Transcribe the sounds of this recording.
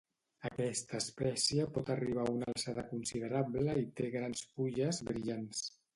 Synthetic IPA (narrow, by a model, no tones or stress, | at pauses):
əkɛst̪əːspɛsiəpɔt̪əriβ̞aunalˠsaðəkunsiðəɾablləit̪eɣɾansfuʎəzβɾiʎans